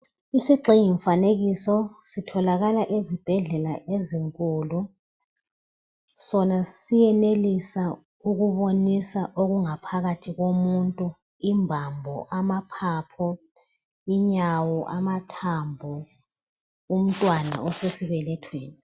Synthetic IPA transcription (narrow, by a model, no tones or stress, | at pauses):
isiɡ͡ǃʱiɲiɱfaneɣisɔsitʰɔlaɣalaʔezib̥ʱɛɮɛlaʔeziŋkʼuːlu | sɔnasijɛnelisa | uɣuβonisaʔoɣuŋapʰaɣatʰiɣomuntʼu | imbʱambʱɔ̰ʔamapʰaːpʰɔ | iɲawɔʔamatʰambʱɔ | um̩tʼwana̰ɔsesiβɛlɛtʰweːni